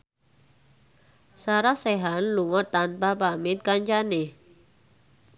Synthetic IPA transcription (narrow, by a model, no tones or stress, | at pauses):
saɾasɛɦanluŋɔt̪ːanpabamɪt̪̚kaɲt͡ʃane